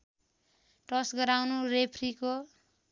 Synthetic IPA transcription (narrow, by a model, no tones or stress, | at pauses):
ʈʌsɡʌɾawnuɾepʰriko